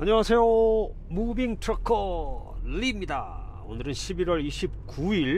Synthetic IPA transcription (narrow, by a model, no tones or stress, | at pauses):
aɲʌŋasʰe̞jo | mubiŋtʰɯɾʌkʰʌlimɲida̰ | o̰nɯɾɯnɕʰibiɾwʌɾiɕʰip̚k͈uiɭ